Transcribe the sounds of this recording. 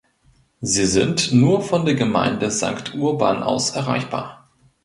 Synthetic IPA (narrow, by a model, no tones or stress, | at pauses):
ziːzɪntnuːɐfɔndeːɐɡəma̰ɪndəza̰ŋktʰʔuːɐba̰ːnʔa̰ʊsʔɛɐʁa̰ɪçb̥a̰ːɐ